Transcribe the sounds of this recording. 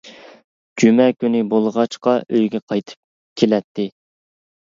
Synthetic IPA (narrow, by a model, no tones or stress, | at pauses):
d͡ʒymɛkʲynɪbolˠʁɑt͡ʃqɑʔøjɡʲɛqʰɑjt̪ʰɨ̥p̚ | kʲʰelɛt̪ʰːɪ